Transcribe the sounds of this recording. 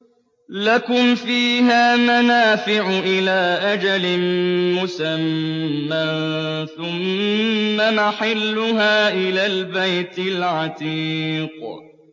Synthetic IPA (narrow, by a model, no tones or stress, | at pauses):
lakʊmfiːɦaːmanaːfɪʕʊʔɪlaːʔad͡ʒalɪnmʊsamːanθʊmː | amaħɪlːʊɦaːʔɪlaːlbajt̪ɪlʕɑt̪iːq